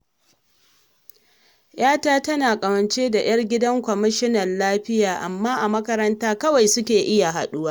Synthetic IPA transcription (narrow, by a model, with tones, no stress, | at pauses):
j̰aː˦taː˦tɐ˦naː˨kʼɐ˨wɐ˨nt͡ʃeː˦da˨j̰ɐ˦rɡʲɪ˦dɐ˦ŋkʷɔ˨mɪ˦ʃɪ˦nɐ˨nlaː˦ɸɪ˦jaː˨ʔa˨mːaː˦ʔa˨mɐ˦kɐ˦ɾɐ˦ntaː˦kɐ˦wa˨jsʊ˦kʲeː˨ʔɪ˦ja˨ɦa̰˨ɗu˦waː˦